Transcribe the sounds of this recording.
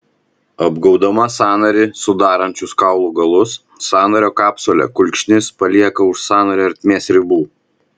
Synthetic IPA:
ɐbɡɐʊd̪ɐmɐsɑːnɐɾʲɪsʊd̪ɑːɾɐnʲt͡ʃʲʊskɑˑʊlˠuːɡɐlˠʊsː | ɑːnɐɾʲoːkɑːpsoːlʲɛ̰kʊlʲkʃʲnʲɪspɐlʲiɛkɐʊʃsɑːnɐɾʲɐɾʲt̪ʲmʲeːsɾʲɪbuː

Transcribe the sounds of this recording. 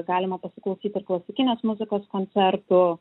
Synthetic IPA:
ɡɑːlʲɪmɐpɐsʲɪ̥klˠɐʊsʲiːt̪ɪɾklˠɐsʲɪkʲɪnʲeːsmʊzʲɪkoːskonʲt̪sʲɛɾt̪ʊ

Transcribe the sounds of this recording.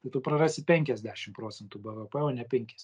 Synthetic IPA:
t̪ɐɪt̪ʊpɾɐrɑːsʲɪpʲɛŋʲkʲɛzʲd̪ʲæːʃʲɪmpɾoːt̪t͡ssʲɛnt̪uːbɛʋɛpɛoːnʲɛpʲɛŋʲkʲɛsʲ

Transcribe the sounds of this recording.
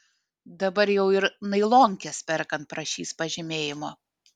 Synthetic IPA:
d̪ɐbɐɾjɛʊɪɾnɐɪlˠoːŋʲkʲɛspʲɛɾkɐnt̪̚pɾɐʃʲiːspɐʒʲɪmʲeːjɪmoː

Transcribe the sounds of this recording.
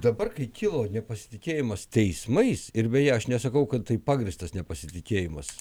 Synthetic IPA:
d̪ɐbɐrkɐɪkʲɪlˠoːnʲɛpɐsʲɪ̥t̪ʲɪkʲeːjɪmɐst̪ʲɛɪsmɐɪsɪɾbʲɛjɛɐʃnʲɛsɐkɐʊkɐt̪t̪ɐɪpɑːɡɾʲɪst̪ɐsnʲɛpɐsʲɪt̪ʲɪkʲeːjɪmɐs

